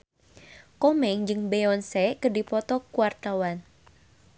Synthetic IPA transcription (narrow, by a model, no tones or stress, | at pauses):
kɔmɛŋd͡ʒɨŋbeɔnsɛkədipɔt̪ɔkuwart̪awan